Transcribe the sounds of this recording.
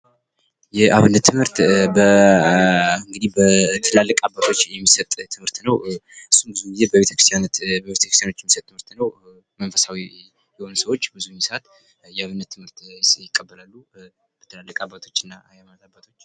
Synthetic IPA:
jɛʔaβɨnːət̪ʰːɨmhɨɾt̪bə | ɨŋɡɨd̪ihbət̪ʰɨlalːəkʼabːat̪ʰo̞t͡ʃːjɛmːisət̪ʼʰːɨmhɨɾt̪nəwɨsːunbɨzuɡizebəβeəkɾɨst̪janot̪bəβet̪ə̥kɾst̪jano̞t͡ʃːjɛmisət̪t̪ːɨmhɨɾt̪nəw | mənfəsawi | jɛho̞nsəwo̞t͡ʃːbɨzujɛmːisat̪ | jɛaβɨnːət̪ʰːɨmhɨɾt̪jɪkʼːəbːəlalːu | bət̪ʰɨlalːəkʼabːat̪ʰo̞t͡ʃːɨnːajɛmanat̪abːat̪ʰo̞t͡ʃː

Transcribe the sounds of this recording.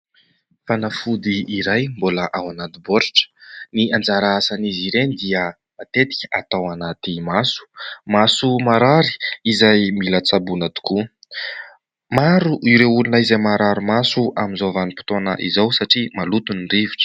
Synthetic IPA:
fanafud̪iːɾajmboləʔawanat̪iboɾiʈ͡ʂə̥niand͡zaɾaasaniziɾenid̪iə | mat̪et̪i̥kʲa̰t̪awanat̪imasu̥masumaɾaɾi̥izajmilət͡sabunad̪u̥ku | maɾuʔiɾeulunəizajmaɾaɾumasuaminzovanipi̥t̪onə̰ʔizawsaʈ͡ʂimalut̪uniɳriviʈ͡ʂə̥

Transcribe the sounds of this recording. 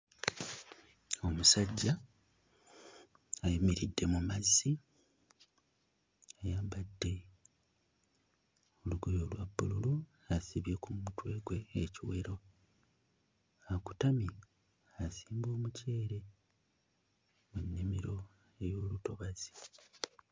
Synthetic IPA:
o̞musaɟːa | ajimiɾidːe̞mumazːi | ajaːmbadːe̞ | o̞luɡojo̞lwabːululu | asiβjekumutwe̞ɡwe̞ːciwe̞ɾo̞ | aku̥tami | asiːmbo̞ːmuce̞ːɾe̞ | munːimiɾo̞ | e̞jo̞ːluto̞βaz̥i̥

